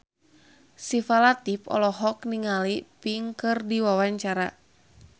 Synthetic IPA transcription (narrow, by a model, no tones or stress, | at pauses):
sifalat̪ipɔ̰lɔɦɔkniŋalipiŋkɨrdiwawaɲt͡ʃaɾa